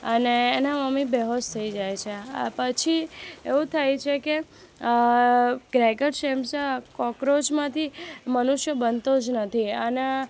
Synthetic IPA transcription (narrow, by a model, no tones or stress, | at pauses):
əneːnaməmibɛɦost̪ʰəid͡ʒajt͡ʃʰepət͡ʃʰieʋũt̪ʰajt͡ʃʰeke | ɡ̥ɾɛkəʈʃemsakɔkɾod͡ʒmãt̪ʰimənuʃjəbənt̪od͡ʒnət̪ʰiəne